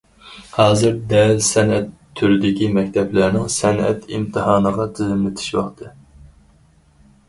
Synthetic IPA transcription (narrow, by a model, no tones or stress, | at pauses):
hɑːzɨɾd̪ɛlsɛnɛt̪ʰːyɾɪd̪ɪkʲimɛkʲt̪ʰɛplæɾnɪŋsɛnʔɛ̰t̪ʰḭmt̪ʰɨhɑːnəʁɑt̪ʰɪzɪmlɪt̪ʰɪ̥ʃwɑχt̪ʰɨ